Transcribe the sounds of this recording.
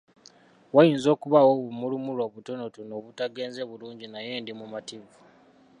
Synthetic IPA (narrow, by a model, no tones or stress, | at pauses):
wajiːnzo̞ːkuβawoβumulumulo̞ːβuto̞no̞tuno̞βutaɡe̞ːnze̞βuluːɲɟinaje̞ːndimumativu